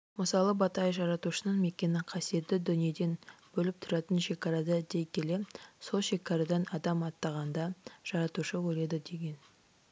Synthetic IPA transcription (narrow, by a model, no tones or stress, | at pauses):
məsɑlˠəbɑt̪ɑjʒɑɾɑt̪uʃənəɴme̞kʲːe̞nɪqʰɑsije̞t̪ːɪd̪ʏnije̞d̪e̞nbɵlɪp̚t̪ʰʊɾɑt̪ənʃe̞kɑɾɑd̪ɑd̪e̞jkʲʰe̞le̞so̞lˠʃe̞kɑɾɑd̪ɑnɑd̪ɑmɑt̪ːɑʁɑnd̪ɑʒ̥ɑɾɑt̪uʃəwɵle̞d̪ɪd̪e̞ɡʲe̞n